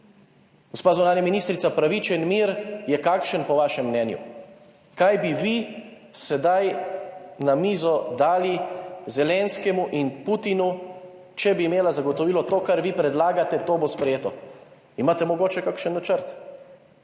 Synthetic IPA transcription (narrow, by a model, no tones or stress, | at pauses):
ɡ̥ospaːzunaːnjaminist̪ɾit̪sapɾaʋit͡ʃɛnmiɾjɛkaːkʃənpɔʋaːʃɛmːnɛːnjṵ | kajbiʋi | sɛd̪aj | namiːzɔd̪aːlizɛlɛnskɛmuʔinput̪inu | t͡ʃɛbiːmeːlazaɡɔt̪ɔʋiːlɔt̪oːkaɾʋiːpɾɛd̪laːɡat̪ɛt̪oːbospɾɛjeːt̪ɔ | imaːt̪ɛmɔɡoːt͡ʃɛkakʃənːat͡ʃəɾt̪